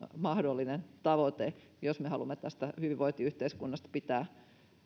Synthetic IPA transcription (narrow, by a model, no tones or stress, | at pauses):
mɑhdolːinent̪ɑʋot̪e | josmehɑlumːet̪æst̪æhyʋiʋoit̪iyht̪eiskunːɑst̪ɑ̥pit̪æː